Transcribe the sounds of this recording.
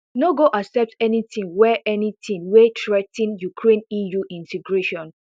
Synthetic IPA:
noɡoʔaksɛp̚tɛnitĩŋwɛʔɛnitʰĩnwetʰɹɛtĩnjukʰɹẽnijuʔĩntʰɛɡɹeʃɔ̃n

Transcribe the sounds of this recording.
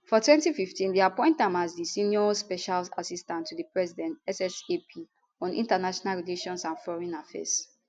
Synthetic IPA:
fɔtʰwɛ̃ntififtĩndiapɔ̃ɪ̃nt̚dãmazdisiniɔspɛʃala̰sistãntʰːudipɹɛzidɛ̃ntɛsɛsepʰi | ɔ̃nʔḭ̃ntanaʃɔnalɹileʃɔ̃nsãnfɔɹɛ̃nafɛ̰s

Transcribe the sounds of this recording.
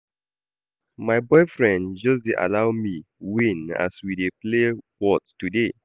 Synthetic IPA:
maɪbɔɪfɹɛ̃ndd͡ʒɔs̬deʔa̰laʊmiwĩna̰swideplewɔttude

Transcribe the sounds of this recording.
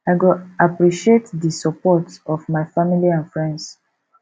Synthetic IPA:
aɪɡoapɹiʃietdisɔpɔtɔvmaɪfamiliãnfɹɛ̃nds

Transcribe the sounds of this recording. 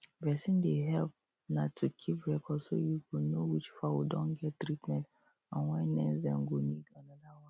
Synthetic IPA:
vɛsĩndeɦɛlp̚ | natʰːukʰipɹɛkʰɔdso̰jukunowit͡ʃfawdɔ̃nɡɛttɹitmɛ̃nt | ãnwɛ̃nɛ̃nsdɛ̃mɡoniɡãnanawã

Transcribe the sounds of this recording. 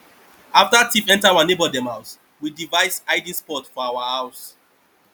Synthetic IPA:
aftatifɛ̃ntaawanebɔdɛ̃maʊs | widivaɪsaɪdĩspɔtfɔawahaʊs

